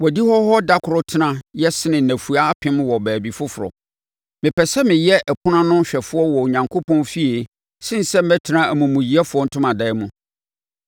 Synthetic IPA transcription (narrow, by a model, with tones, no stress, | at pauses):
wɔ˨di˦hɔ˦ɦɔ˦da˦kʰʊ˨ɾʊ˦tʰɪ˦nã˦jɛ˦sɪ˦nɪ̃˨næ˨fu˨a˦pʰɪ̃˦mwɔ˨bæː˨bi˨fʊ˦fʊ˨ɾɔ̰˨ | mɪ̃˨pʰɛ˨sɛ˦mɪ̃˨jɛ˦ʔæ˨pʰʊ˦nã˦nʊ̃˦ɕᶣɛ˨fʊ˦ɔ˦wɔ˨ɲã˨ŋkʰo˦pʰɔ̃˦nfi˦e˨ | sɪ̃˦n̩˨sɛ˦m̩˦mɛ˦tʰɪ˨nã˦æ˨mũ˨mũ˨ji˨˦ɛ˦fʊ˦ɔ˦n̩˦tʰʊ̃˦mã˨dɛ˦mũ˦